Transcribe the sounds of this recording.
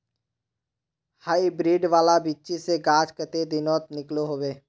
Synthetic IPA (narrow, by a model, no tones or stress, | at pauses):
haːibɾiːɖʋaːlabitːt͡ʃiseɡaːd͡ʒkət̪ed̪ɪnɔːt̪nɪkloɦoːʋeː